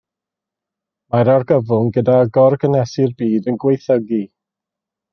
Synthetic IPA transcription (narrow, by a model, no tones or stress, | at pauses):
maɾarɡəvʊnɡədaɡɔrɡənɛsɪrbiːdənɡwejθəɡi